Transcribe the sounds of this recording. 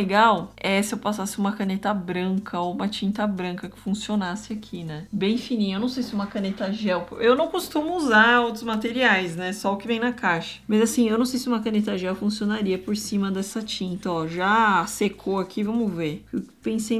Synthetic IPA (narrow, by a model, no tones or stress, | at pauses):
leɡawɛsɪewpasasɪũmɐkanet̪ɐbɾɐ̃ŋkʰɐoũmɐt͡ʃĩnt̪ɐbɾɐ̃ŋkɐkɪ̥fũsionasɪakʰinɛbẽj̃finĩewnɐ̃w̃sejsɪũmɐkɐ̃net̪ɐʒɛwewnɐ̃w̃kost̪ũmʊuzaowt̪ɾʊzmat̪eɾiajsnɛsɔʊkɪvẽj̃nɐkaʃɐ̥majzasĩewnɐ̃w̃sejsɪũmɐkɐnet̪ɐʒɛwfũsionaɾiɐpoɾsĩmɐd̪ɛsɐt͡ʃĩnt̪ɐɔʒasekʰoakʰivɐ̃mʊveɾpẽsej